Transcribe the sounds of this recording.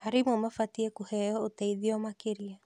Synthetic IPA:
aɾimomafatiekuhɛooteiðiomakeɾia

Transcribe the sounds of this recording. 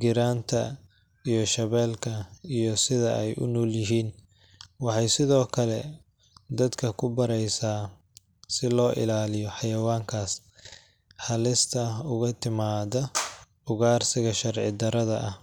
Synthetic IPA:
ɡɪɾaːnt̪ʰɐ | ijɔʃɐβɛːlkʰɐijɔsɪðɐʔɛjʔʊ̰nɔːljɪɦiːn | wɑħɑjsɪðɔːkʰɐlɛ | d̪ɐd̪kʰɐkʰʊbɐɾɛjsaː | sɪlɔːʔɪ̰laːlɪjɔħɑjɐwaːŋkʰaːs | ħɑlɪst̪ʰɐʊɣɐt̪ʰɪmaːðɐ | ʊɣaːrsɪɣɐʃɐrʕɪ̰d̪ɐɾɐðɐʔɐh

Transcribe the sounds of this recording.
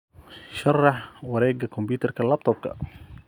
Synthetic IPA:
ʃɑrˤːɑħwɑɾɛːɡakʊmbiːt̪ɑɾˤkalːab̚t̪ʰˤob̚ka̰

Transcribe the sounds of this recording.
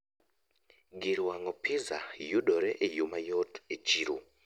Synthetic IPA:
ɡiɾwaŋɔpʰɪza̰judɔɾɛʔejumajɔtet͡ʃiɾṵ

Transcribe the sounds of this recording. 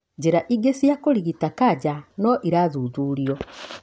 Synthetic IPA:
d͡ʑeɾaʔiɡesijakoɾiɣitakad͡ʑanɔʔiɾazuːzuːɾiɔ

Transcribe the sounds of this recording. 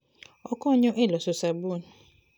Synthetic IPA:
ɔkɔɲʊ̃ʔelɔsʊsabun

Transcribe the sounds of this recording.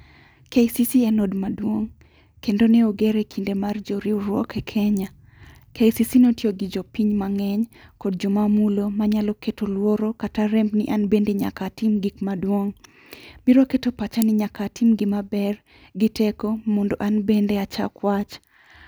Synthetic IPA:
kejsisiɛnodmadwoŋ | kendoneoɡeɾekʰindemard͡ʒoɾiuɾwɔkɛkʰɛɲa | kejsisinotjoɡid͡ʒopiɲmaŋɛɲkod̚d͡ʒomamulomaɲalɔketolwoɾokataɾɛmbnɪʔanbendeɲa̰katimɡikmadwoŋ | biɾoketopat͡ʃanɪɲakatimɡɪmabɛr | ɡɪtekomondoʔanbendeat͡ʃa̰kwat͡ʃ

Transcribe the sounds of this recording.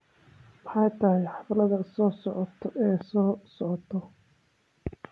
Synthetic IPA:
mɑħɑjt̪ʰɐhɛjħɑflɐðɐsɔːsɔʕɔt̪ʰɔʔɛːsɔːsɔʕɔt̪ʰɔ

